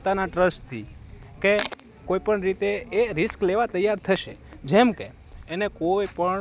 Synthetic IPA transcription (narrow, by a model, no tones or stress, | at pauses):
t̪anaʈɾəsʈt̪ʰike | koipəɳɾit̪eeɾɪskleʋat̪əjːaɾt̪ʰəʃed͡ʒemkeː | nekojpəɳ